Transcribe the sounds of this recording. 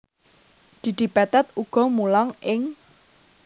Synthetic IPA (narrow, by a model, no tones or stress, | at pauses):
d̪̥i̤d̪̥i̤pat̪at̪̚uɡ̥ɔ̤mulɔŋʔɪŋ